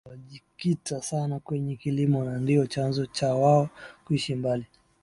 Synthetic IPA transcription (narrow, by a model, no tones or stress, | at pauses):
aʄikitasanakwɛɲɛkilimɔnandiɔt͡ʃanzɔt͡ʃawaɔkuiʃimbali